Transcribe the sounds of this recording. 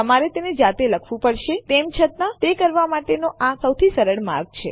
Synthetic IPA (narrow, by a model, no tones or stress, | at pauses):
əmaɾet̪ened͡ʒat̪eləkʰʋũpəɽʃet̪emt͡ʃʰət̪ãt̪ekəɾʋamaʈenoʔasəwt̪ʰisəɾəɽma̰ɾɡ̚t͡ʃʰḛ